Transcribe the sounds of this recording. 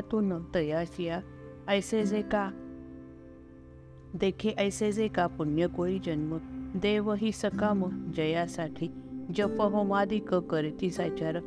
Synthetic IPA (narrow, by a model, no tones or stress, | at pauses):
t̪unət̪əjasija | əjsed͡zeka | d̪ekʰeʔəjsed͡zekapunjəkoid͡ʒənməd̪eʋəɦisəkaməd͡ʑəjasaʈʰi | d͡ʑəpəɦəmad̪ikəkəɾit̪isat͡ʃaɾ